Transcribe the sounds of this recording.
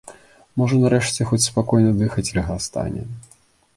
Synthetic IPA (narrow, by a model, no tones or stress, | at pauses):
mɔʐɐnaɾɛʂt͡sʲɛxɔt͡sʲspakɔjnɐd̪ɨxɐt͡sʲɾɐɣast̪a̰nʲɛ̰